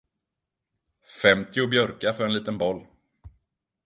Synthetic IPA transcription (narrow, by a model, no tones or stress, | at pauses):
fɛmt̪ʰɪʊbjœɾkafœɾɛnliːt̪ənbɔlː